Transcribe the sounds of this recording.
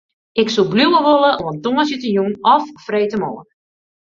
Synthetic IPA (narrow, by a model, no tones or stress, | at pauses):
ʔɪksubluwəʋoləoɔntoməsjətəjunɔffreːtəmɔːən